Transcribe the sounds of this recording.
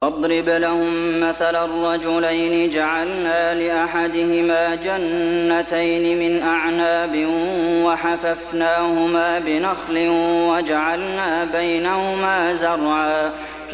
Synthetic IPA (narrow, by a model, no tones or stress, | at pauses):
ʔɑd̪ˤɾɪblahʊmːaθalarˤːɑd͡ʒʊlajnɪd͡ʒaʕalnaːlɪʔaħad̪ɪhɪmaːd͡ʒanːat̪ajnɪmɪnʔaʕnaːbɪwaħafafnaːhʊmaːbɪnaxlɪwad͡ʒaʕalnaːbajnahʊmaːzɑrˤʕaː